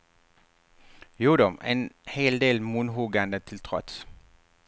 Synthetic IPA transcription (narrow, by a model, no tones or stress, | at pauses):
juːd̪ɔmḛːnheːld̪eːlmunɦuːɡanət̪ʰɪlt̪ʰʁɔ̰t̪